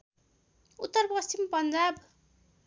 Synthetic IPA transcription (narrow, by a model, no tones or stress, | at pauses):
ut̪ːʌrpʌst͡ɕimpʌnd͡zab